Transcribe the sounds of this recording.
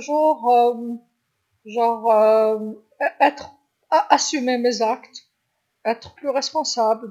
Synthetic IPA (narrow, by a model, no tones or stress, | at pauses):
ʒuʁ | ʒɑ̃ʁø | ɛt̪χ | ʔasymemezakt̪ | ɛt̪χplyʁɛspɔ̃sabl